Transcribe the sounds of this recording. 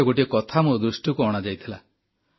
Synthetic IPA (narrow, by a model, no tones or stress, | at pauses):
ɔɡoʈiekɔt̪ʰamod̪ɾusʈikuɔɽ̃ad͡ʒajt̪ʰila